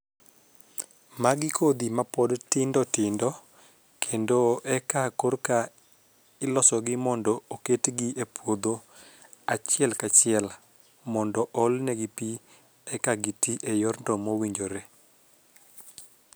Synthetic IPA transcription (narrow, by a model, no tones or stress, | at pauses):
maɡɪkʰod̪imapɔdtɪndɔtɪndɔ | kʰendoʔɛkakorka | ɪlɔsɔɡɪmɔndɔoketɡiʔepwod̪o | at͡ʃɪɛlkat͡ʃɪɛl | mɔndɔʔɔlnɛɡipi | ɛkaɡitiʔejɔrndɔmowiɲd͡ʒoɾe